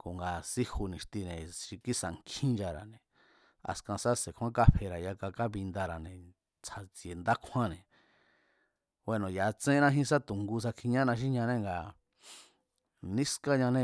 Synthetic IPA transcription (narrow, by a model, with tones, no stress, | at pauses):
ko˨ŋɡa˨si˦hu˧nĩ˨ʃt̪i˧nẽ˨ʃi˧ki˦sa̰˨ŋkʰĩ˦nd͡ʒa˧ɾa̰˨nẽ˨ | a̰˨skã˧sa˦se˨kʷʰã˦ka˦pe˧ɾa˨ja˧ka˧ka˦βi˧nd̪a˧ɾa˨nẽ˨ | t͡sʰa˨t͡sie˨nd̪a˦kʰã˦nẽ˨ | we˧nõ˨ja˨˧t͡sẽ˦nã˦ɦĩ˦s̬a˦t̪u˨ŋɡu˧s̬a˧kʰi˧ɲã˦nã˧ʃ̬i˦ɲã˧nẽ˦ŋɡa˨ | nĩ˦ska˦ɲã˧nẽ˦˧